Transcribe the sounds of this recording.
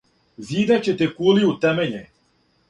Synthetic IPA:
ziːd̪at͡ɕet̪ekuliut̪ɛmeɲe

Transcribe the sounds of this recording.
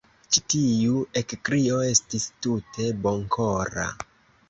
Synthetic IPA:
t͡ʃitijue̞kkɾio̞e̞stistute̞boŋkʰoɾa̰

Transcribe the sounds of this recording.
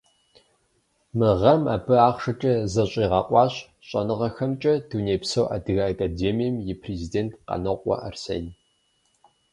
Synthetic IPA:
mɨʁɐma̰ːbɨaːχʂɐt͡ʃʼɐzɐɕʼiːʁɐqʷʼɑːɕ | ɕʼɐnɨʁɐxɐmt͡ʃʼɐduneːpsɐwʔa̰dɨɣɐakʼadeːmijɐmjɪpʰrezideːntʰqɐ̰nɐqʷʼɔ̰ʔɐ̰rsḛːn

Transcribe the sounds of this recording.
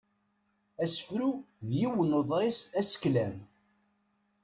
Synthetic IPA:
æsə̥fɾu | ðjiwənoðˤɾˤɪsæsə̥klæn

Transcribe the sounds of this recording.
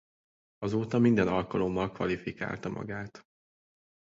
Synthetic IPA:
ɒzoːt̪ɒmind̪ɛnɒlkɒlo̞mːɒlkʋɒlifika̰ːlt̪ɒmʔɒ̰ɡaːt̪

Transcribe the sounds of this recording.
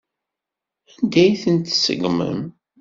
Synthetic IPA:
ænd̪æjθənt̪sə̰ɡmə̰m

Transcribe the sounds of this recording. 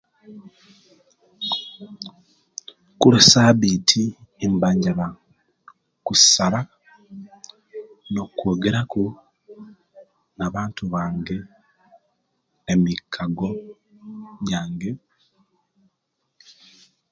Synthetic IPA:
kulesaːβiːtʰiembaɲɟaβa | kusaβa | no̞kwo̞ːɡe̞ɾaku | naβaːntuβaːŋɡe̞ | emikʰːaɡo̞ | jaːŋɡe̞

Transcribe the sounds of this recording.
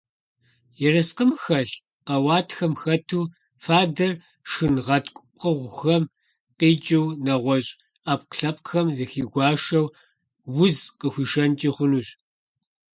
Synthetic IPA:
jɛrɐsqəmxɐɬ | qɐwɑːtʰxɐmxɐtʰuː | faːdɐr | ʂɨnʁɐtʰkʷʼʊpʼqəʁʷʊxɐm | qiːt͡ʃʼɪwnɐʁʷɔɕʼ | aːp̚ʼqɬɐpʼxɐmzɨxiːɡʷɑːʃɐw | wʊzqəxʷiːʃɐnt͡ʃʼiːχʷʊnuːɕʼ

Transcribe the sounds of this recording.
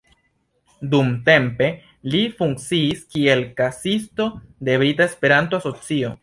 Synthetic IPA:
dumte̞mpe̞ | lifuŋk̚t͡siːskie̞lkasisto̞de̞bɾitae̞spe̞ɾanto̞aso̞t͡sio̞̰

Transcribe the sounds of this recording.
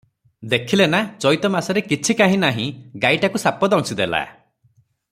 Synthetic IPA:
d̪ekʰilenat͡ʃɔjt̪ɔmasɔɾekit͡ʃʰikaɦĩnaɦĩɡaiʈakusapɔd̪ɔ̃ŋsid̪ela̰

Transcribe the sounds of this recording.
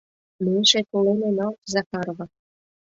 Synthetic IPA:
meʃekolenenɑlt̪zɑkɑɾβɑ

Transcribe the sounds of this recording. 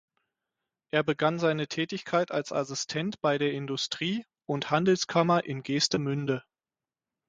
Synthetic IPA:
ʔeːɐbəɡanzaɪnətʰɛːtɪçkʰaɪtalsa̰sɪstʰɛntb̥aɪɾeːɐɪndʊstʁ̥iː | ʔʊnthandl̩skʰamɐʔɪnɡeːstəmʏndə

